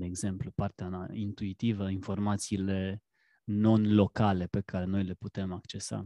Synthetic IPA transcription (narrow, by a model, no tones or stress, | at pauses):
d̪e̞ːɡze̞mplupart̪eaint̪uit̪ivəinfo̞rmat̪siːle̞ | no̞nlo̞kale̞pe̞kʰaɾe̞no̞jle̞put̪e̞makt͡ʃe̞sa̰